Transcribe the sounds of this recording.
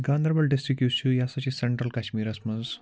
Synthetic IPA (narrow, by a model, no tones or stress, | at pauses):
ɡand̪ɾəbɐlɖisʈɾikjusujasat͡ɕiseɳʈɾəlkaɕmiːɾɐsməz